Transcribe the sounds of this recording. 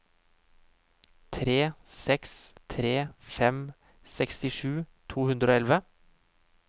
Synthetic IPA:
t̪ʰɾeːsɛkst̪ʰɾeːfɛm | sɛkst̪ɪʂʉːt̪ʰuːhʉnd̪ɾəoːɛlʋə

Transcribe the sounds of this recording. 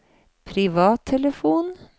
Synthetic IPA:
pʰɾɪʋɑːt̪ʰːɛləfuːn

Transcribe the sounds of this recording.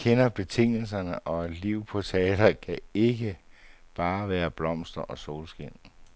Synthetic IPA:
kʰenɐb̥e̝t͡sʰe̝ŋ̰l̩s̬ɐnəʔɒ̽liʊ̰pʰɒ̽t͡sʰɛːd̥ɐkʰæe̝ɡ̥ə | b̥ɑ̈ːʋæːɐb̥lɒ̽m̰sd̥ɐʔɒ̽so̝ːlsɡ̥en̰n̩

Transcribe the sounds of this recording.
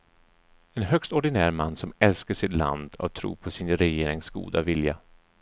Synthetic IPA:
ɛnɦœkst̪ɔɖɪnæːɾmanːsɔmɛlskaʂɪt̪la̰nd̪a̰t̪ʰɾṵːpʰɔsɪnɾɛjeːɾɪŋsɡṵːd̪avɪlja

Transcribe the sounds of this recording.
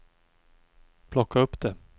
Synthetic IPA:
pʰlɔkːaɵpːd̪ɛ

